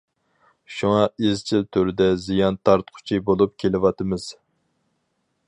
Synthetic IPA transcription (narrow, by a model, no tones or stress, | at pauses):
ʃuŋɑizt͡ʃʰilt̪ʰøɾɪd̪ɛzijɑnt̪ʰɑɾt̪qʰʊ̥t͡ʃʰibolˠup̚kʲʰelɪwɑt̪ɨmɨz̥